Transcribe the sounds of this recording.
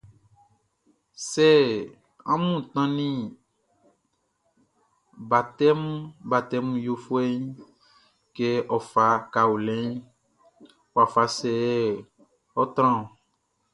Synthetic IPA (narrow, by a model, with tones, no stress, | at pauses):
sɛ˦˨ | ã̰˦mũ˦˨t̪ã˦nĩ˦ | ba˨t̪ɛ˦m˦ba˨t̪ɛ˦m˦jo˦fo˦e˦ɲ˦ | ke˦ʔɔ˨fa˨ka˨u˨lɛ̃˦ɲ | wo˨a˨fa˨sɛ˨ɛ˦ | ɔ˦t̪ɾ̃ã˦˨